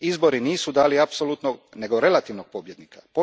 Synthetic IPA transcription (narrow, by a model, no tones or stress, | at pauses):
izbo̞ɾiniːsud̪aːliapsolut̪noɡne̞ɡo̞ɾe̞lat̪iːʋnoɡ̥̚po̞bje̞d̪nikapo